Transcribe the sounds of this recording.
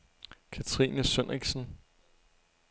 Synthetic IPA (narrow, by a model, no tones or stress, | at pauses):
kʰæt͡sʰʁḭːnəsønʁiɡ̥sn̩